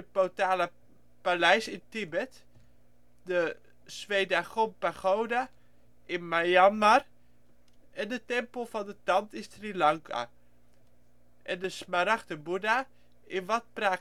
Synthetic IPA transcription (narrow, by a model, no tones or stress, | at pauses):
əpotaːlə | palɛjsɪntibɛt | də | sʋejdaxompaχowda | ʔɪnmajanmar | ɛndətɛmpəlˠfɔndətɑntɪnstrilaŋkʰa̰ | ʔɛndəsmaɾaxtəbuda | ɪnʋɔt̚praː